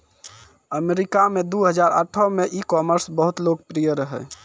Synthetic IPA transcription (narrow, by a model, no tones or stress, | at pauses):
əmeɾikamed̪uɦəd͡ʒaɾa̰ʈʰɔmeʔikɔməɾsbəɦut̪lok̚pɾijəɾəɦɛ̰